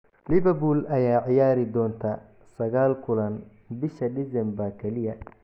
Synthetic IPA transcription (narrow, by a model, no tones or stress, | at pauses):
lɪβɐbulɐjaːʕɪjaːɾɪd̪ɔːnt̪ʰa | sɐɣaːlkʰʊlɐn | bɪʃɐdɪsɛmbɐkʰɛlɪjɐ